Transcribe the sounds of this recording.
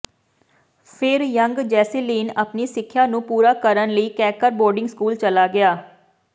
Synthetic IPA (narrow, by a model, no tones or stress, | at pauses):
pʰɪɾjəŋɡd͡ʒɛːseliːnəpniːsɪkʰːjaːnũːpuːɾaːkəɾənləiːkɛːkəɾbɔːɾɖɪŋɡskuːlt͡ʃəlaːɡɪaː